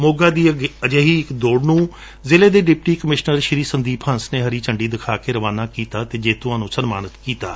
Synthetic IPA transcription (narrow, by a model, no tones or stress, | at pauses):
moːɡaːd̪iːəd͡ʒeːɦiːɪkd̪oːɖnũː | zɪːleːd̪eːɖɪp̚ʈiːkəmɪʃnəɾʃɪɾiːsənd̪iːpʰə̃nsneːɦəɾiːt͡ʃəɳɖiːd̪ɪkʰaːkeːɾəʋaːnaːkiːt̪aːt̪eːd͡ʒeːt̪ʊɦãːnũːsənmaːnət̪kiːt̪aː